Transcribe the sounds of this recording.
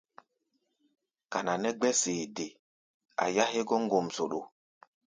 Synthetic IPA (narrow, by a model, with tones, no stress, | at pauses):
ka˨na˨nɛ˦ɡ͡bɛ˦seː˨de˨ | a̰˨ja˦ɦe˦ɡɔ˦ŋ˦ɡo˨mso˨ɗo˨